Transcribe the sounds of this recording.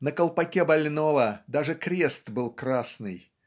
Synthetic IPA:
nəkəlˠpɐkʲebɐlʲnovəd̪aʐɨkɾʲest̪bɨlˠkɾasnɨj

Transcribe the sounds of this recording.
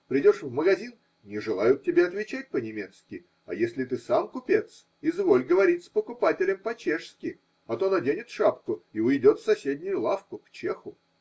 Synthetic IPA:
pɾʲɪdʲo̞ʂvməɡɐzʲin | nʲɪʐɨlˠajʊt̪̚tʲːɪbʲeɐt̪vʲɪt͡ɕæt̚ʲpənʲɪmʲe̞t̪skʲɪ | ɐ̰jesʲlʲɪt̪ɨsamkʊpʲet̪s | ɪzvo̞lʲɡəvɐɾʲitʲspəkʊpatʲɪlʲɪmpɐt͡ɕeʂskʲɪ | ɐt̪o̞nɐdʲenʲɪt̪ʂapkʊiʊɪdʲo̞t̪sɐsʲedʲnʲʊjʊlˠafkʊkt͡ɕexʊ

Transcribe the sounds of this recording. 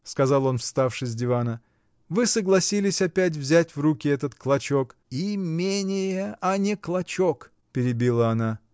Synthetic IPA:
skɐzɑlˠo̞nfst̪afʂɨsʲdʲɪvanə | vɨsəɡlˠɐsʲilʲɪsʲɐpʲæt̬ʲvzʲætʲvrukʲɪɛt̪ət̪klˠɐt͡ɕo̞kimʲenʲɪjəɐnʲɪklˠɐt͡ɕok | pʲɪɾʲɪbʲilˠəɐna

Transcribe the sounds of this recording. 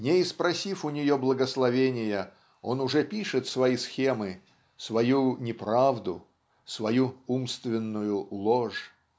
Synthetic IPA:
nʲeɪspɾɐsʲifʊnʲɪjoblˠəɡəslˠɐvʲenʲɪjə | o̞̰nʊʐɛpʲiʂɨt̪svɐisxʲemɨ | svɐjunʲɪpɾavd̪ʊ̰ | svɐjuumst̪vʲɪnːʊjʊlˠoʂ

